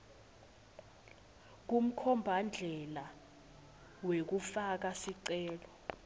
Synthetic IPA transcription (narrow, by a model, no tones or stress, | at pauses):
k̬um̩kʰɔmbʱand͡ɮʱɛla | wek̬ufak̬asiǀɛːlɔ